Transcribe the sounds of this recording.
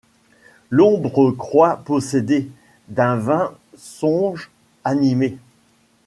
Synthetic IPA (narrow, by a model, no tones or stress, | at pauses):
lɔ̃bʁəkχwapɔsed̪e | d̪ɛ̃vɛ̃ | sɔ̃ʒ | anime